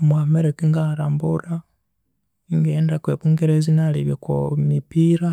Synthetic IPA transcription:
mwameɾekiŋɡaɾambuɾa | ŋɡeːndakweβuŋɡeɾezinaliβjekomipiɾa

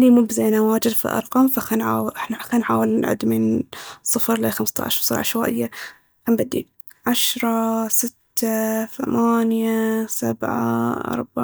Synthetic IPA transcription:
ʔnimubzajnawaːd͡ʒɪd̪fḭʔɑ̰ɾˤqɑːmfaxanʕaːwʔɪħnaxanħa̰ːwɪlnɪʔʕɪ̰d̪mɪnsˤːɨfɾlaxamst̪a̰ʕʃsˤɑɾʕa̰ʃwaːʔɪjːa | xambad̪ːḭ | ʕaʃɾˤɑsɪt̪ːaθamaːnjasabʕa̰ʔɑ̰ɾˤbaʕ

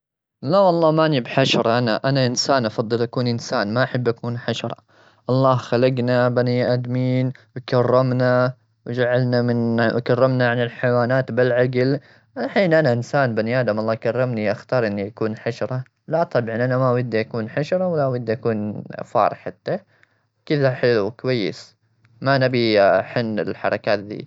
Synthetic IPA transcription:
lawɑlˤːɑːmaʔnibħaʃɑɾˤɑʔanaʔanaʔɪnsaːnʔɑfɑd̪ˤːɨlʔakuːnʔɪnsaːnmaʔaħabːʔakuːnħaʃɑɾˤɑ̰ | ʔɑlˤːɑːhxalaɡnabaniʔad̪miːnwkarˤːɪmna | wd͡ʒaʕalnamɪnʔkarːɪmnaʕanɪlħajwaːnaːt̪bɪlʕaɡl | ħiːnʔanaʔɪnsaːnbaniʔaːd̪amʔɑlˤːɑːhkarˤːɪmniʔaxt̪ɑːɾˤʔɪnːiʔakuːnħaʃɾˤɑ | lat̪ˤɑbʕanʔanamawad̪ːʔakuːnħaʃɾˤɑwalːawad̪ːʔakuːnfɑ̰ːɾˤɪħat̪ːa | wkɪðaħɪlukwajːɪ̰s | manabiħɪnːɪ̰lħɑ̰ɾˤɑkaːt̪̚d̪ḭː

